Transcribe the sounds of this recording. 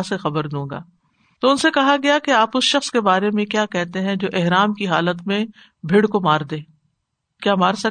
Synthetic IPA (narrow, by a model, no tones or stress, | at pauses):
sexɐbəɾd̪ũːɡa̰ː | t̪oʊnsekɐɦaɡɐjakeaːpʊsʃɐxskebaːɾemẽkjaːkɛɦt̪eɦɛ̃d͡ʒoːʔɪɦɾaːmkiɦaːlət̪mẽ | bʱɪɽkomaːɾd̪eː | kjaːmaːɾsɐk